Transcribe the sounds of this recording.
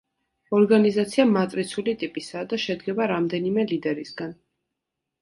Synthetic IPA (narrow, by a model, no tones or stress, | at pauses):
ɔɾɡanizat̪sʰiamat̪ʼɾit̪sʰulit̪ʼipʼisad̪aʃɛd̪ɡɛbaɾamd̪ɛnimɛlid̪ɛɾisɡan